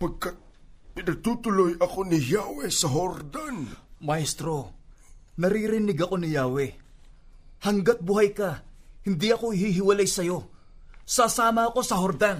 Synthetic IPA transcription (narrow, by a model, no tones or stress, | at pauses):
pɐɡ̚kat̪̚pɪnɐɡ̚t̪uːt̪ʊlojɐko̞nɪjaːwɛsɐɦoɾd̪anmajst̪ɾo̞ | nɐɾiɾɪnɪɡɐko̞nɪjaːwɛ | hɐŋɡat̪̚bʊɦajkahɪnd̪iʔɐko̞ɪhiɦɪwɐlajsɐjo̞ | sasaːmɐːko̞sɐɦoɾd̪an